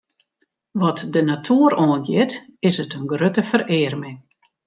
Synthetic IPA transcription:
ʋɔtdənatʰuəɾɔːnɡjɪtɪsətənɡrøtəfərɪːrmɪŋ

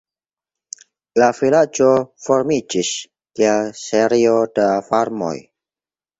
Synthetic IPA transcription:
lafilad͡ʒofoɾmid͡ʒis | kialseɾiodafaɾmo̰j

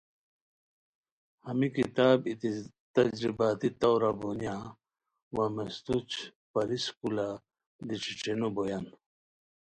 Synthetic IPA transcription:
hɐmikit̪aːbit̪ | t̪ɐd͡ʑɾibaːt̪it̪awɾabonja | wamest̪ut͡ɕ | pɐɾiskula | d̪iʈ͡ʂʰiʈ͡ʂenobojan

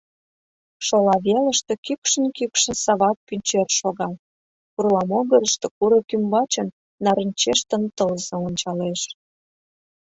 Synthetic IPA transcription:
ʃolɑβeləʃt̪ekykʃənkykʃə̆nsɑβɑk̪̚pynʲt͡ɕerʃoɣɑl | kurlɑmoɣəɾəʃt̪ĕkuɾəkymbɑt͡ɕənː | ɑɾənʲt͡ɕeʃt̪ə̆nt̪əlzoonʲt͡ɕɑleʃ

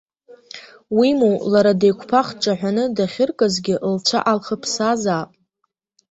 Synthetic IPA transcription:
wimulaɾadejkʷʰpʰaχʈ͡ʂʼaħᶣʷanɨdaχʲɪrkʼazɡʲɪʔlt͡ʃʷʰa̰ʔalχəpʰsazaːpʼ

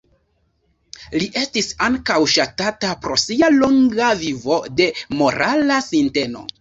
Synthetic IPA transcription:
liʔe̞stisaŋkawʃatatapɾo̞sialoŋɡavivo̞de̞mo̞ɾʔalasinte̞no̞̰

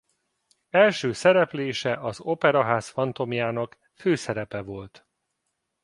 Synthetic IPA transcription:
ɛlʃøːsɛɾɛpleːʃɛʔɒzopɛɾɒɦaːsfɒnt̪o̞mjaːnɒk | føːsɛɾɛpɛvo̞lt̪

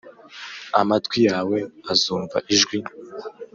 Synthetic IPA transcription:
a̰matkwijaːwe̞azuːɱva̰ʔiʒɡwi

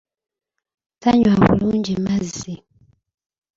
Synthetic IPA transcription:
taɲwaβṵlund͡ʒemazzi

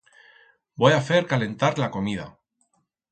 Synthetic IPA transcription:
bojafe̞ɾkale̞nt̪aɾlako̞mið̞a̰

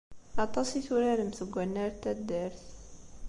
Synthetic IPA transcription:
ɑt̪ˤɑsiθuɾaɾəmθəɡʷːænːæɾt̪ːæd̪æɾθ

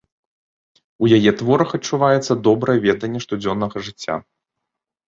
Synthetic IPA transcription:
ujajɛt̪vɔɾɐxɐt͡ʂːuvajɛt̪sːɐd̪ɔbɾɐjɛvʲɛd̪ɐnʲːɛʂt̪ud͡zʲɔnːɐɣɐʐɨt͡sʲːa̰

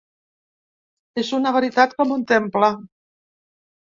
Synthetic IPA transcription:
ezunaβaɾit̪at̪kɔmunt̪empla

